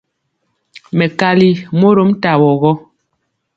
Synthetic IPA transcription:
mɛ˨ka˨li˦mo˦ɾo˦m˦ta˨wɔ˨ɣɔ˦

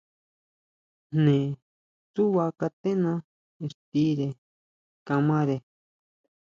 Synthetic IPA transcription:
n̥nẽ˨ | su˦wa˧ka˧t̪ẽ˦nã˦ | e˧˨st̪i˦ɾe˨ | kã˧mã˦ɾe˨

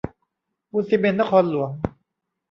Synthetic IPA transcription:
u˧si˧me˧nːa˥kʰɔː˧˥nlu˨˩əŋ

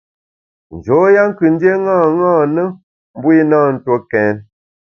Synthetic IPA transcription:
n̩˨d͡ʒo˨˦ja˦ŋ̩˦kɨ˨n̩˦dje˦ŋãː˦˨ŋãː˦˨nə˦ | m˦bwi˦naː˦˨n̩˦˨two˦kɛ˨˦n

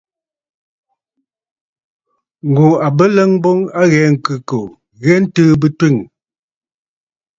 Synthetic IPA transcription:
ŋ̩˨ɡu˨a˨bə˦lə˦ŋbɔ˦ŋa˦ɣɛ˨˦ŋ̩˨kɨ˨ko˨ | ɣɛ˦n̩˦tɨː˦bɨ˦twi˦˨ŋ

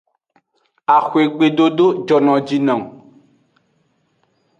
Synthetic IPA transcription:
a˨xwe˨ɡ͡be˨ɖo˦ɖo˦d͡ʒɔ˨nɔ̃˨d͡ʒi˨nɔ̃˨ŋ

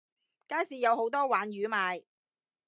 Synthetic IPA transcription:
kaː˥jsiː˨˧jɐ˨˧who˨˥wt̪ɔː˥waː˨˥njyː˨˧˥maː˨˧j

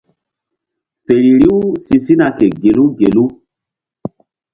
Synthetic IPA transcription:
pe˨ɾi˨ɾi˦wsi˨si˦na˨ke˨ɡe˨lu˦ɡe˨lu˦

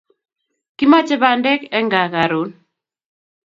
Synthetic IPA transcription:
ki˦ma˦t͡ʃɛ˦ba˨ndɛ˦kɛ˦ŋɡa˨ka˨ɾu˨˦n

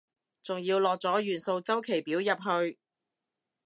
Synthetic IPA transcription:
t͡sʊ˨ŋjiː˧wlɔː˨k̚t͡sɔː˨˥jyː˨˩nso˧wt͡sɐ˥wkʰe˨˩jpiː˨˥wjɐ˨p̚ɦɵ˧ɥ

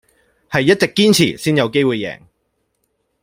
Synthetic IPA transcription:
hɐ˨jːɐ˥t̚t͡sɪ˨kːiː˥nt͡sʰḭː˨˩siː˥njɐ˨˧wke˥jwuː˨jːɛ̰ː˨˩ŋ

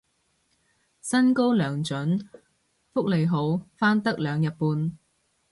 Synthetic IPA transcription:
sɐ˥nko˥wlœː˨˩ŋt͡ʃɵ˨˥n | fʊ˥k̚le˨˩jɦo˨˥wfaː˥nt̪ɐ˥k̚lœː˨˧ŋjɐ˨t̚puː˧n

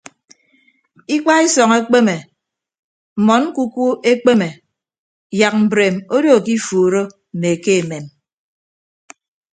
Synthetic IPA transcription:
i˦k͡pa˦i˦sɔ˨ŋe˦k͡pe˦me˨ | m̩˨mɔ˨˦n̩˦ku˦ku˦e˦k͡pe˦me˨ | ja˨k̚m̩˨bɾe˨mo˦do˦o˨ki˦fuː˨ɾo˦ | m̩˨me˨ke˦e˨me˨m

